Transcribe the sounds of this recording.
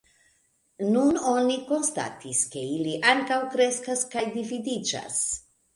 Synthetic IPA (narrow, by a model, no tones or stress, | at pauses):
nuno̞niko̞nsta̰tiske̞iliʔaŋkawkɾe̞skaskajdividid͡ʒa̰s